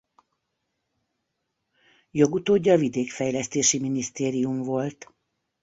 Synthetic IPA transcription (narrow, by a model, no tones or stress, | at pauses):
jo̞ɡut̪oːɟːɒvid̪eːkfɛjlɛst̪eːʃiminist̪eːɾiumvo̞lt̪